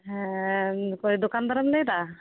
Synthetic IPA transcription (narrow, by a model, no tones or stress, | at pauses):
kojd̪okand̪ʱɔɾɔmlejd̪a